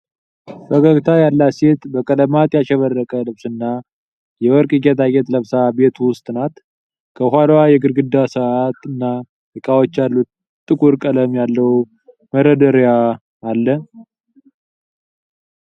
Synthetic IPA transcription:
bəɡəɡt̪ʰajalːaset̪bəkʼələmat̪ʼjaʃɛβərːəkʼəlɨβsɨnːa | jɛwɔɾkʼɨɡɛt̪ʰaɡɛt̪ləβsabe̞t̪wʊst̪ʼnat̪ | kʰəɦʷalwajɛɡɨɾɡɨd̪ːasəat̪ɨnːa | jɛkʼawot͡ʃːalːut̪ | t̪ʼːɨkʼuɾkʼələmjalːəw | məɾəd̪əɾjaː | lːə

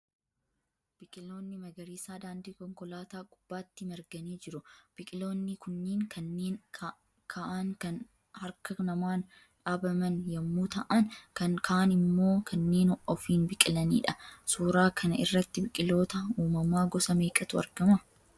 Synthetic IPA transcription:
b̥ɪkʼɪlo̞ːnːɪmɐɡɐɾiːsaːd̪aːnd̪iːkɔŋkɔlaːt̪aːkʼʊb̥ːaːt̪ːɪmɐɾɡɐniːd͡ʒɪɾʊb̥ɪkʼɪlo̞ːnːɪkʊnːeːŋkʰɐnːeːn | kʰaʔaŋkɐn | hɐɾkɐnɐmaːn | ᶑaːbɐmɐnjɐmːuːt̪ɐʔɐnkɐnkʰaːʔɐnɪmːo̞ːkʰɐnːe̞ːnʔɔfiːnbɪkʼɪlɐnḭːᶑɐsuːɾaːkʰɐnɐɪ̰rːɐt̪ːɪbɪkʼɪlo̞ːt̪ɐuːmɐmaːɡɔsɐmeːkʼɐt̪ʊɐ̰ɾɡɐmɐ

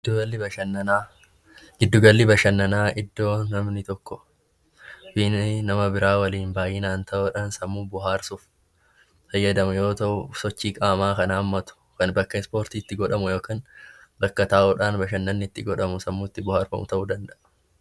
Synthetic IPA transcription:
ɐlːɪbɐɐnːɐa | ɡɪd̪ːʊɡɐlːɪbɐʃɐnːɐnaːʔɪd̪ːo̞ːnɐmnɪt̪ɔkːɔ | bɪnɪnɐmɐbɪɾaːwɐliːnbaːjiːnaːnt̪ʰɐʔoːᶑaːnsɐmːuːbʊɦaːɾsʊf | fɐjːɐd̪ɐmʊjo̞ːt̪ɐʔʊsɔt͡ʃːiːkʼaːmaːkɐnaːmːɐt̪ʊ̥kɐnbɐkːɐɪspo̞ːɾt̪iːɪt̪ːɪɡɔᶑɐmʊjo̞ːkɐnbɐkːɐt̪aːʔɔːᶑaːnbɐʃɐnːɐnːɪɪt̪ːɪɡɔᶑɐmʊsɐmːuːɪt̪ːɪbʊhaːɾfɐ̰mʊ̰t̪ɐʔʊd̪ɐnd̪ɐʔɐ̥

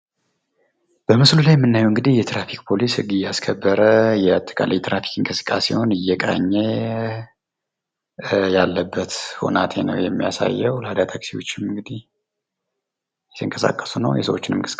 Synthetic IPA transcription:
b̥əmɨslulajmːɨnːajuwɨŋɡɨd̪ihjɛt̪ɾafik̚ʼpʰo̞lishɨɡɨjaskʰəbːəɾəjɛat̪ʼːə̥kʼa̰lijt̪ɾafi̥kʼɨŋkʼɨsɨ̥kʼːasḛho̞nɨjːɛkʼa̰ɲːe | jalːəbːət̪ho̞̰nat̪ʰenəwjɛmːijasa̰jːɛwlad̪at̪ʰəksiwo̞t͡ʃːɪmɨŋɡɨd̪ih | jɛt̪ʰɨŋkʼəsa̰kʼːə̥sunə̰wjɛ̰sə̰wot͡ʃːɪnɨmkʼɨsʼ

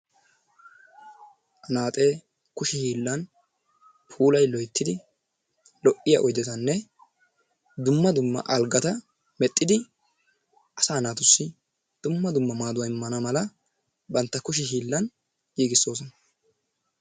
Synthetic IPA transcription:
ʔɐnaːt̪ʼe̞ː | kʊʃɪhiːlːɐn | pʰuːlɐjlɔjt̪ːɪd̪ɪ | lɔʔɪjɐ̰ʔɔjd̪ɛt̪ɐnːɛ | d̪ʊmːɐd̪ʊmːɐ̰ʔɐlɡɐt̪ɐ | mɛt̪ʼːɪd̪ɪ | ʔɐsaːnaːt̪ʊsːɪ | d̪̥ʊmːɐd̪ʊmːɐmaːd̪ʊwɐɪmːɐnɐmɐlɐ | bɐnt̪ːɐkʊʃ̬ɪɦiːlːɐn | jiːɡɪsːo̞ːs̬ɔnɐ

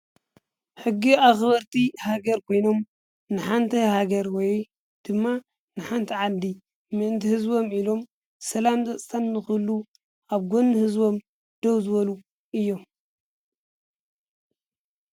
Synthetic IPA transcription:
ħɨɡːiaxbɐɾt̪ʰihaɡɐɾkʰo̞jno̞m | nɨħant̪ʰɐhaɡɐɾwɔj | d̪̥ɨmːa | nɨħant̪ʰɐʕad̪i | mɨʔɨnt̪ʰihɨzbo̞milo̞m | sɐlamzɐt͡sʼsʰanːɨxɨlːu | ʔaβɡo̞nːɨhɨzbo̞m | d̪̥owzɨβɐlu | ʔɨjːo̞m

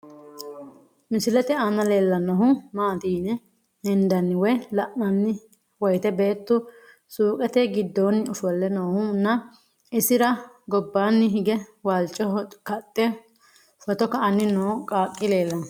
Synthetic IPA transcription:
mɪsɪlɛt̪ɛanɐle̞ːlːɐnɔɦʊmaːd̪iːnɛ | hɛnd̪ɐnːɪwɔjlɐʔmɐnːɪ | wɔjt̪ɛbe̞ːt̪ːʊ | suːkʼɛt̪ɛɡɪd̪ːoːnːɪʊfɔlːɛnoːhʊnːɐ | ɪsɪɾɐ | ɡɔbːaːnːɪɦɪɡɛwaːlt͡ʃʼːɔkɐt̪ʼːɛ | fɔt̪ɔkɐʔɐnːɪnoːkʼaːkʼːɪle̞ːlːɐnɔ

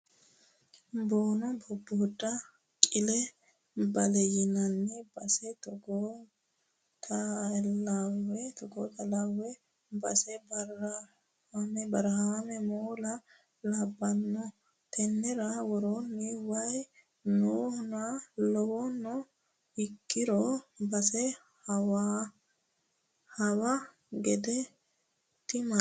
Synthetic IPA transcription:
boːnɔbɔbːoːdːɐ | kʼɪlɛ | bɐlɛjɪnɐnːɪbɐsɛt̪ɔɡo | t̪ʰɐ | awɛt̪ɔɡoːt̪ɐlawɛ | bɐsɛbɐ | amɛbɐɾɐhamɛmoːlɐ | lɐbːɐnːɔ | t̪ʰɛnːɛɾɐwɔɾonːɪwɐj | nuːhʊnalɔwɔnːɔ | ɪkːɪɾɔbɐsɛ | hɐwa | hɐwɐ | ɡɛd̪ɛ | t̪ːɪmɐ

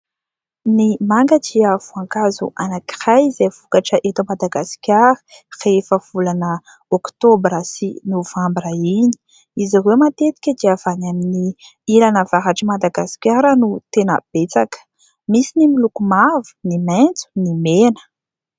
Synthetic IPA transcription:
nimaŋɡəd͡ʒiav̥uaŋkazuʔanaki̥rajzev̥ukaʈ͡ʂəʔet̪amad̪aɡasi̥kʲjaɾə̥refəv̥ulanə | okt̪obrasinovambraini̥ | izirewmat̪et̪i̥kʲəd̪iav̥anamini | ilanəvaɦaʈ͡ʂəmad̪aɡaskʲaɾənut̪enə̰b̥et͡sakə̥ | misinimilukumavu̥niment͡su̥nimenə̥

